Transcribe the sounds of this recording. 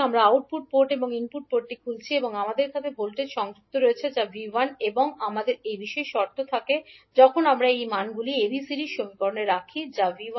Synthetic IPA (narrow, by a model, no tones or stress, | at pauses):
amɾaauʈ̚puʈ̚poɾʈeboŋinpuʈ̚poʈːikʰult͡ɕʰieboŋamad̪eɾkʰat̪ʰebʱolʈeɾʃɔŋd͡ʑuk̚t̪oɾoet͡ɕʰed͡ʑabiʋaneboŋamad̪eɾejbiʃɔeʃɔɾt̪ʰːot̪ʰaked͡ʑɔkʰonamɾaejmanɡuliebisiɾiʃomikoɾneɾːakʰid͡ʑavia